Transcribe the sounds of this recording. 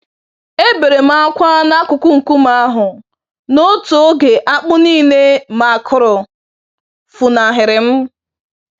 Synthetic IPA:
e˦be˨ɾe˨m̩˨a˨˦kʷa˦na˦kʊ˨kʊ˦ŋ̩˨ku˦m˦a˦ɦʊ˨ | no˦to˨˦ɡe˨ʔa˦k͡pʊ˦niː˦ne˦ma˨kʰʊ˨ɾɔ˨ | fu˨na˨ɦɪ˨ɾɪ˨m̩˦

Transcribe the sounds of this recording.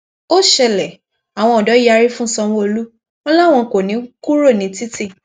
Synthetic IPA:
o˦ʃɛ˧lɛ˨ | a˨w̃ɔ̃˧ɔ˨dɔ˨˦ji˦a˧ɾi˦fũ˦˨sɔ˧w̃ɔ̃˦o˧lu˦ | ɔ˦la˦˨w̃ɔ̃˧ko˨nĩ˨˦ku˦ɾo˦˨nĩ˨˦ti˦ti˦˨

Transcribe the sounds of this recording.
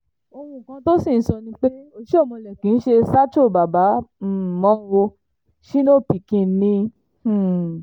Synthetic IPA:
o˧hũ˧˨kã˧to˦si˦˨n̩˦sɔ˧nĩ˧k͡pe˦o˧˦ʃe˦o˦˨mɔ̃˧lɛ˨kĩ˨˦n̩˦ʃe˧sa˦t͡ʃo˦˨ba˨ba˨˦˨mɔ̃˦wo˧ | ʃi˦no˦˨pi˨kĩ˧nĩ˧˨

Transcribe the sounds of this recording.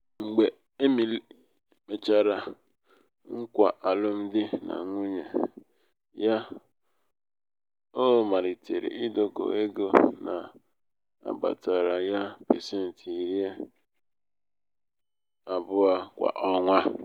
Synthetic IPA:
ŋ͡m̩˨ɡ͡be˨ | e˦mi˨l | me˨t͡ʃa˨ɾa˨ | ŋ̩˦kʷa̰˨ʔa˨lʊ˦m̩˦dɪ˦na̰˨ŋʷu˦ɲe˨ | ja˦ | o˦ma˨ɾi˨te˨ɾḛ˨ʔi˦do˨ɡo̰˨e˦ɡo˨na˨ | a̰˨ba̰˨ta˨ɾa˨ja˦pḛ˨se˦n̩˨ti˨ɾje˦ | a˨bʊ˦a˦kʷa̰˨ʔɔ˦ŋʷa˦

